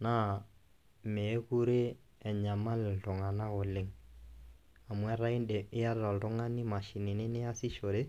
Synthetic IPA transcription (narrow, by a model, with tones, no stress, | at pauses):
na˦˨ | meː˨˦ku˦ɾe˦ | ɛ˨ɲa˨ma˦lɪ˨ltʊ˨ŋa˨na˦kʊ˨lɪ˦ŋ | a˨mwɛ˦ɾa˦ɪ˦ndɛ˨ɪ˦a˦rɔ˨ltʊ˦ŋa˦nɪ˦ma˨ʃɪ˨nɪ˨nɪ˦nɪ˦a˦sɪ˦ʃo˨ɾe˦